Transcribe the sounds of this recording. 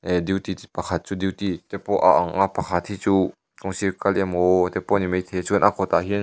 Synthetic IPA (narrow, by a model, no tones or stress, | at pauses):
ɛdiwt̪ipɐkʰat̪̚t͡sud̪iwt̪it̪ɛpɔʔaʔaŋʔapɐkʰat̪hit͡su | kɔŋsikɐlʔɛmɔt̪ɛpɔnimejt̪ʰɛt͡suənʔakʰɔt̪aɦin